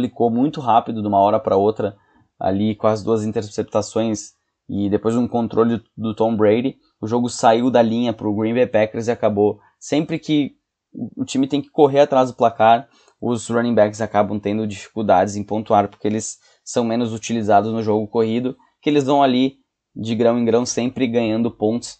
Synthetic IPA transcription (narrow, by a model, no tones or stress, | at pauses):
plikomũj̃t̪ʊɦapid̪ʊd̪ɪũmɐɔɾɐpɾɐot̪ɾɐ | a̰likõɐzɪd̪uɐzĩnt̪eɾsep̚t̪asõj̃s | ɪd̪epojzd̪ũkõnt̪ɾʔolɪd̪ʊt̪õbɾejdɪ | ʊʒoɡʊsaiwd̪ɐlĩɲɐpɾʊɡɾĩbejpɛkeɾzɪakabo | sẽmpɾɪkɪ | ʊt͡ʃĩmɪt̪ẽj̃kɪ̥koɦeɾat̪ɾazd̪ʊplakaɾ | ʊzɾɐ̃nĩbɛkzakabɐ̃w̃t̪ẽnd̪ʊd͡ʒifi̥kuwd̪ad͡ʒɪzẽj̃põnt̪uaɾpoɾkeelɪsː | ɐ̃w̃mẽnʊzut͡ʃilizad̪ʊznʊʒoɡʊkoɦid̪ʊ | kɪelɪzvɐ̃w̃ali | d͡ʒɪɡɾɐ̃w̃ẽɡɾɐ̃w̃sẽmpɾɪɡɐ̃ɲɐ̃nd̪ʊpõnt͡ʃ̪ɪ̥s